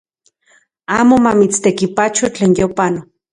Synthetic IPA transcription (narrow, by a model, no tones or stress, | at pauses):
aːmomamit͡st̪ekipat͡ʃot͡ɬeːnjopano